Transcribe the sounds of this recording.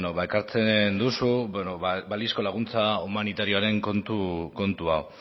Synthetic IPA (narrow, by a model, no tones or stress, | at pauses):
noβaekaɾt͡se̞nd̪usunobalisko̞laɣ̞unt͡saumanit̪aɾio̞aɾe̞ŋkont̪uko̞nt̪uaw